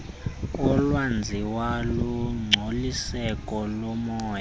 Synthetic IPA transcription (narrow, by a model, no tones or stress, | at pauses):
ɔlwand͡zʱiwaluŋ͡ǀʱolisɛkʼɔlɔmɔːja